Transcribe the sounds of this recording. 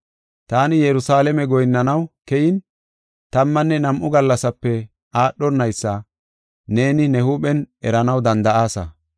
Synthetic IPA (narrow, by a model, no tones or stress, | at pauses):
t̪aːnɪjɛɾʊsaːlɛmɛɡɔjnːɐnɐwkɛjɪn | t̪ɐmːɐnːɛnɐmʔʊɡɐlːɐsɐpːɛ | aːɗːɔnːɐjsːɐ | ne̞ːnɪnɛhuːɓɛnɛ̰ɾɐnɐwd̪ɐnd̪ɐʔaːsɐ̰